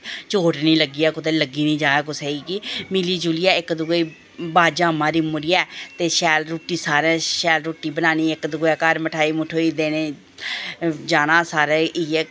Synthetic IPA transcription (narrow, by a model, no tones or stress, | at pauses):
t͡ʃoːʈnĩːləɡiːɛːkʊt̪eːləɡiːnĩːd͡ʒaːaːk̬ʊseiːkimiliːd͡ʒuːliːɛːɪkd̪ʊɡiː | baːd͡ʒaːmãːɾiːmʊɾiːɛːt̪eːʃɛːlɾoːʈiːsaːɾɛ̃ːʃɛːlɾoːʈːiːbənaːniːɪkd̪ʊɡɛːkəɾməʈʰaːiːmʊʈʰoːiːd̪eːneː | d͡ʒaːnãːsaːɾeːiːɛː